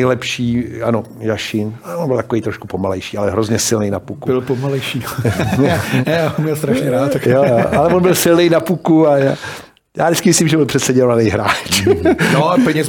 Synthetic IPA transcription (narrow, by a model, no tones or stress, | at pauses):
jlɛpʃiːʔano | jaʃɪnaɛvonbɪlt̪akoejt̪ɾoʃkupomalɛjʃiːalɛɦɾozɲɛsɪlnejnapukubɪlpomalɛjʃiː | ɛjaːumɲɛlst̪ɾaʃɲɛɾaːt̪ːakjooʔalɛvonbɪlsɪlnejnapukuajaː | ja̰ːdɪt͡sskɪmɪsliːmʒɛbɪlpr̥ɛt̪sɛɟɛɾvanejɦɾaːt͡ʃnopɛɲɛz